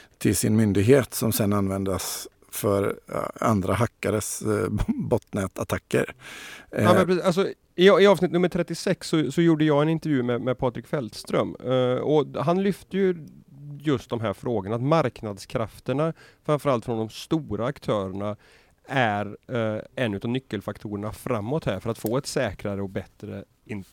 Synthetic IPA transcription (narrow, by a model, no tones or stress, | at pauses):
t̪ʰɪlsɪnmʏnd̪ɪɡɦeːt̪sɔmsɛnːanvɛnd̪əs | fœɾa̰nd̪ɾaɦakːaɾəs | bɔt̪nɛːt̪at̪ʰakːə̰ɾ | mɛpɾɛals̬ɔ | ɪɪɑːvsnɪt̪nɵmːəʈ̪ʰɾɛt̪ːɪsɛksːɔsɔjuːɖəjɑːɡɛnɪnt̪əɾjʉ̟ːmɛmɛpʰɑːt̪ɾɪkfɛld̪st̪ɾœ̰mɔɦanlʏft̪əjɵ | jɵst̪̚d̪ɔmɦæːɾfɾoːɡəɳat̪maɾknad̪skʰɾaft̪əɳafɾamfœɾalt̪fɾɔnd̪ɔmst̪uːɾaːkt̪ʰœːɾəɳa | æɾ | ɛnːʉ̟t̪ɑːvnʏkːəlfakt̪ʰuːɾəɳafɾamːɔt̪hæːɾfœɾat̪foːɛt̪sɛːkɾaɾəɔk̚bɛt̪ɾə̰ | ɪn